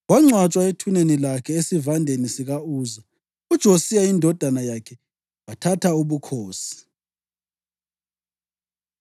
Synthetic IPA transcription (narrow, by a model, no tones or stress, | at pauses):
ɣwaŋ͡ǀwat͡ʃʼwaetʰunenilakʰɛesivandʱenisiɣauːza | ud̥ʒ̥ʱosijaindʱɔd̥ʱanajakʰɛ | watʰatʰauβukʰoːsi̥